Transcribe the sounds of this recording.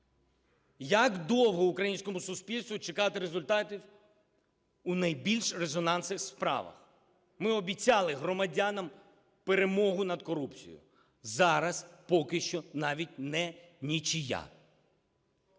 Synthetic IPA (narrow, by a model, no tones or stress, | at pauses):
jɐkd̪ɔwɦɔʊkɾɐjinʲsʲkɔmʊsʊsʲpʲilʲst̪ʋʊt͡ʃɪkɑt̪ɪɾezʊlʲt̪ɑt̪ʲiw | unɐjbʲilʲʃrezɔnɑnsɪxspɾɑ̰ʋɐ̰x | mɪɔbʲit͡sʲɑlˠɪɦɾɔmɐdʲɑnɐm | peɾemɔɦʊnɐd̪kɔɾupt͡sʲḭjʊ̰ | zɑɾɐspɔkɪʃt͡ʃɔnɑʋʲitʲnɛ | nʲit͡ʃɪja̰